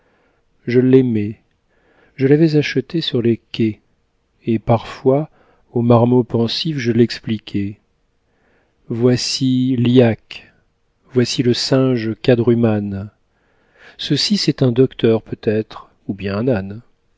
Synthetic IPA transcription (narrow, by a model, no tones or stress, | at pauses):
ʒəlɛmɛ | ʒəlavɛzaʃət̪esyʁlekʲɛ | epaʁfwa | omaʁmopɑ̃sifʒəlɛksplikʲʰɛ | vwasiliak | vwasiləsɛ̃ʒkad̪ʁyman | səsisɛt̪ɛ̃d̪ɔkt̪ʰœʁpøt̪ɛt̪χ | ubjɛ̃ɛ̃nan